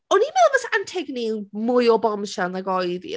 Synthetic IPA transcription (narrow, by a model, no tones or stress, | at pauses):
ɔnimɛlˠvəsantʰɪɡnimʊjɔbɔmʃanðaɡɔjðḭ